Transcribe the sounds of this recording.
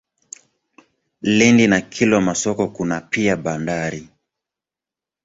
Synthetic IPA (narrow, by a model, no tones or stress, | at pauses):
lɛndinakʰilɔmasɔkɔkunapiaɓandaɾi